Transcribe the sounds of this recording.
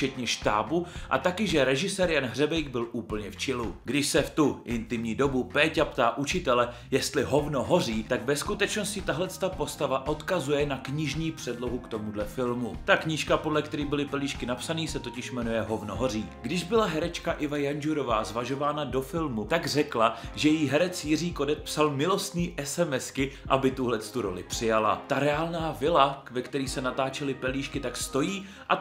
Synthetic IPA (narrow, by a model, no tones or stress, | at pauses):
ft͡ʃɛt̪ɲɛʃt̪a̰ːbuʔa̰t̪akɪʒɛɾɛʒɪsɛːɾjanɦr̝ɛbɛjɡbɪlʔuːpl̩ɲɛft͡ʃɪluɡdɪʃsɛft̪uʔɪnt̪ɪmɲiːdo̞bupɛːcapt̪aːʔut͡ʃɪt̪ɛlɛ | jɛst̪lɪɦo̞vno̞ɦo̞riːt̪aɡvɛskut̪ɛt͡ʃno̞scɪt̪aɦlɛt͡st̪apo̞st̪avaʔo̞t̪kazujɛnakɲɪʒɲiːpr̥ɛdlo̞ɦukt̪o̞mudlɛfɪlmut̪akɲiʃkapo̞dlɛkt̪ɛɾiːbɪlɪpɛliːʃkɪnapsaniːsɛt̪o̞cɪʃmɛnujɛɦo̞vnoɦor̝iːɡdɪʒbɪlaɦɛɾɛt͡ʃkaʔɪvajand͡ʒuɾo̞vaːzvaʒo̞vaːnado̞fɪlmut̪aɡrɛklaʒɛjiɦɛɾɛt͡sjɪriːko̞dɛt̪̚psalmɪlo̞st̪niːʔɛsɛmɛskɪʔabɪt̪uɦlɛt͡st̪uɾo̞̰lɪ̰pr̥ɪjala̰t̪aɾɛaːlnaːvɪlakvɛkt̪ɛɾiːsɛnat̪aːt͡ʃɛlɪpɛliːʃkɪt̪akst̪o̞jiː | ʔa